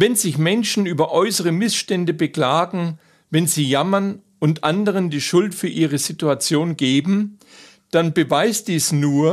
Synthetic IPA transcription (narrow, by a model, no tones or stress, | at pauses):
vɛnzɪçmɛnʃn̩yːbɐʔɔʏsəʁ̞əmɪsʃtɛndəbəkl̥aːɡŋ̩ | vɛnziːjamɐn | ʊntʔandəʁəndiːʃʊltfyːɐʔiːʁəzituat͡sjoːnɡeːbm̩ | d̥anbəvaɪst̚d̥iːsnuːɐ